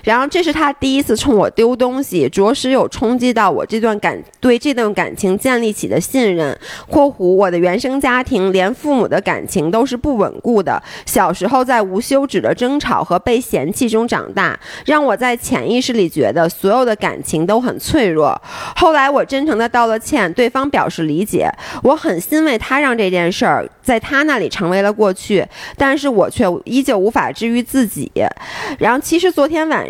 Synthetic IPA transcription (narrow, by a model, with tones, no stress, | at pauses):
ɻa˧˥nxo˥˧ʊʈ͡ʂɤ˥˧ʂɻ̩˥˩t̪ʰa˥t̪i˥˩i˧˥t͡sʰɹ̩˥˩t͡sʰʊ˧˥ŋwɔ̰˨˩t̪jo˥ʊt̪ʊ˥ŋɕi˨ʈ͡ʂwɔ˧˥ʂɻ̩˥jo˨˩ʊʈ͡ʂʰʊ˥ŋt͡ɕi˥t̪ɑ˥˩ʊwɔ̰˨˩ʈ͡ʂɤ˥˧t̪wa˥˩nka̰˨˩nt̪we˥˧ɪʈ͡ʂɤ˥˧t̪wa˥˩nka̰˨˩nt͡ɕʰi˧˥ŋt͡ɕjɛ˥˧nli˥˩t͡ɕʰḭ˨˩d̪ə˦ɕi˥˧nɻə˥˩nkʰwɔ˥˩xu˧˥wɔ˨˩d̪ə˦ɥɛ˧˥nʂɤ˥ŋt͡ɕja˥t̪ʰi˧˥ŋljɛ˧˥nfu˥˩mṵ˨˩d̪ə˦ka̰˨˩nt͡ɕʰi˧˥ŋt̪o˥ʊʂɻ̩˥˧pu˥˩wə̰˨˩nku˥˩d̪ə̰˩ɕjɑ˨˩ʊʂɻ̩˧˥xo˥˧ʊt͡sa˥˩ɪu˧˥ɕjo˥ʊʈ͡ʂɻ̩˨˩d̪ə˦ʈ͡ʂɤ˥ŋʈ͡ʂʰɑ˨˩ʊxɤ˧˥pe˥˩ɪɕjɛ˧˥nt͡ɕʰi˥˩ʈ͡ʂʊ˥ŋʈ͡ʂɑ̰˨˩ŋt̪a̰˥˩ɻɑ˥˩ŋwɔ˨˩t͡sa˥˩ɪt͡ɕʰjɛ̰˧˥ni˥˧ʂɻ̩˥˩li˨˩t͡ɕɥɛ̰˧˥d̪ə˧swɔ˧˥jo˨˩ʊd̪ə˦ka̰˨˩nt͡ɕʰi˧˥ŋt̪o˥ʊxə̰˨˩nt͡sʰwe˥˧ɪɻwɔ̰˥˩xo˥˩ʊla˧˥ɪwɔ˨˩ʈ͡ʂə˥nʈ͡ʂʰɤ˧˥ŋd̪ə˧t̪ɑ˥˩ʊlə˧t͡ɕʰjɛ˥˧nt̪we˥˩ɪfɑ˥ŋpjɑ˨˩ʊʂɻ̩˥˩li˧˥t͡ɕjɛ̰˨˩˦wɔ˧˥xə˨˩nɕi˥nwe˥˩ɪt̪ʰa˥ɻɑ˥˧ŋʈ͡ʂɤ˥˧t͡ɕjɛ˥˧nʂə˞˥˩t͡sa˥˩ɪt̪ʰa˥na˥˩li˨˩ʈ͡ʂʰɤ˧˥ŋwe˧˥ɪlə˧kwɔ˥˧t͡ɕʰy˥˩t̪a˥˧nʂɻ̩˥˩wɔ˨˩t͡ɕʰɥɛ˥˩i˥t͡ɕjɛ˥˩u˧˥fa̰˨˩ʈ͡ʂɻ̩˥˩y˧˥t͡sɹ̩˥˩t͡ɕḭ˨˩˦ɻt͡ɕʰi˧˥ʂɻ̩˧˥t͡swɔ˧˥t̪ʰjɛ˥nwa̰˨˩n